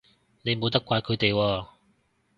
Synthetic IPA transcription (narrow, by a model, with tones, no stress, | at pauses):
ne˨˧jmo˨˧wt̪ɐ˥kːʷaː˧jkʰɵ˨˧ɥt̪e˨jwɔː˧